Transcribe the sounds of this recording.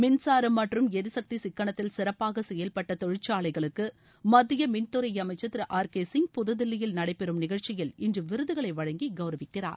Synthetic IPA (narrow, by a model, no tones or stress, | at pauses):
mɪnsaːɾɯmːɐʈrɯmɛðɯsɐk̚t̪isɪkːɐɳɐt̪ːɪlsɪɾɐpːaːɣɐsɛjːɐlpɐʈːɐt̪ɔɻɪt͡ʃːaːɭɐɪɣɐɭɯkːɯ | mɐðɪjɐmɪnt̪ɯɾɐjɐmɐɪt͡ʃːɐt̪ːɪɾɯʔaːɾkeːsɪŋɡ̚pʊðɯðɪlːɪjɪlnɐɽɐɪpːɛɾɯmnɪɣɐɻt͡ʃɪjɪlɪndrɯʋɪɾɯðɯɣɐɭɐɪʋɐɻɐŋɡiɡɐʊɾɐʋɪkːɪra̰ːɾ